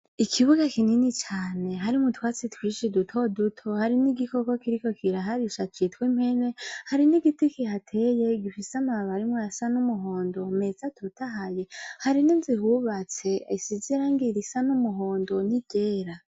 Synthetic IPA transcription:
ikʰiβuɡakininit͡ʃaːne̞ɦaɾimutwaːt͡sitwiːʃidutʰo̞dutʰohaɾiniɡiko̞ko̞kiɾiko̞kʰiɾaɦaɾiʃat͡ʃitwim̥he̞ne̞haɾiniɡitikihatʰe̞je̞ɡifisamaβaɾimŋoasanumuɦoːndo̞me̞zatʰutaɦaje̞haɾininzihuβat͡se̞isiziɾaŋɡiɾisanumuɦo̞ːndo̞niɟ̥eːɾa

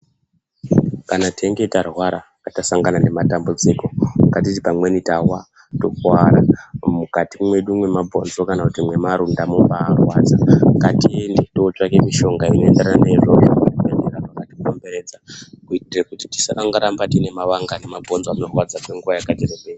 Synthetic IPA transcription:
kanatʰeŋɡe̞tarwaɾakatasaŋɡanane̞matambud͡ziko̞mkat̬itipamwenitawa | to̞kwaɾamukatimwe̞ɗumwemabʱo̞nzo̞kanakutimwe̞maɾundamupaːrwad͡zaŋɡatie̞nde̞toːt͡ʂakemiʃo̞ŋɡainoe̞ndeɾananeʐo̞ʐo̰kukueneɾapakatipo̞mbe̞ɾe̞ːd͡zakuitirekutiti̥sakaŋɡaɾambatine̞maʋaŋɡane̞mabʱo̞nzoanorwad͡zakwe̞ŋɡuʋajakatireɓeː

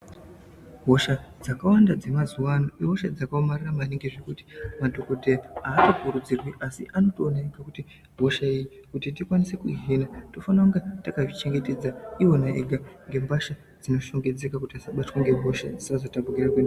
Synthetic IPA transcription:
ɦo̞ʃad͡zakawandad͡ze̞mazuwanoiɦoʃad͡zakaomariramaneŋɡe̞ʐe̞kuti̥madʱo̞ko̞dʱeaːtokuɾud͡zirwiʔasḭʔano̞to̞ːnaeɡʱakuti | bʱo̞ʃaejikutitikwanise̞kuɦinato̞fanauŋɡatakaʐit͡ʃe̞ŋɡe̞te̞d͡zaio̞naḛɡʱaŋɡe̞mbaʃa | d͡zino̞ʃo̞ŋɡe̞d͡ze̞kakutiasaɓatwaŋɡe̞bʱo̞ʃa̰d͡zisazotabuɡirakwena

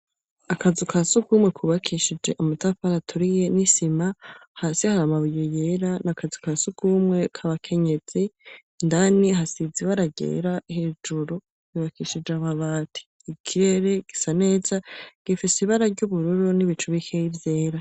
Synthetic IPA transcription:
akazikasukuːmwe̞kʰuβakʰiʃid͡ʒe̞ʔumutafaɾatʰuɾije̞nisimahaːsihaɾamaβujojeɾanakazikasukuːmŋe̞kʰaβakʰe̞ɲe̞z̥i | ndaniɦasiziβaɾaɡḛːɾaihe̞ːd͡ʒuɾu | kuβakiʃid͡ʒeaβaβaːtʰi̥ːkʰiɾe̞ɾe̞ɡ̥isane̞ːzaɡ̥ifisiiβaɾaɾɟuβuɾuɾuniβit͡ʃuβikʰejivje̞ːɾa

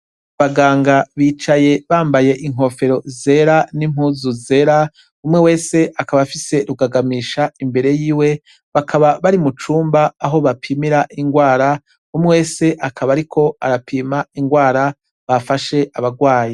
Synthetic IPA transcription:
βaɡaːŋɡaβiːt͡ʃaje̞βaːmbaje̞ʔiŋ̥ɦo̞fe̞ɾo̞ze̞ɾanim̥huːzuze̞ːɾa | umŋewe̞ːse̞ʔakaβafise̞ɾuɡaɡamiːʃaimbe̞ɾe̞jiːwe̞ | βakʰaβaβaɾimut͡ʃuːmbaːɦo̞βapʰimiɾaʔiŋɡwaːɾa | umŋewe̞ːse̞ʔakʰaβaɾikʰo̞aɾapʰiːmaiŋɡwaːɾa | βafaʃe̞ʔaβaɡwaːji

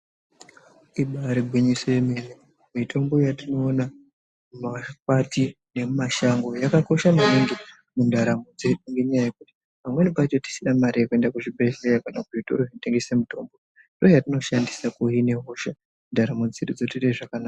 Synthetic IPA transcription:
iɓaɾiɡʱwiɲisojemeni | mitʰo̞mbo̞jatino̞ːna | makwati | ne̞maʃaŋɡo̞jakako̞ʃamaneŋɡe | mundʱaɾamod͡ze̞ɗuŋɡe̞ɲajajekuti̥ | pamwe̞nipat͡ʃoti̥sinamaɾijekue̞ndakuʐibʱeɬejakanak̚ʐito̞̰ɾoite̞ŋɡese̞muto̞̰mbo | ndo̞jatino̞ʃandisakuɦine̞ɦoʃa | mundaɾamod͡ziɗud͡zotireʐakanaːka

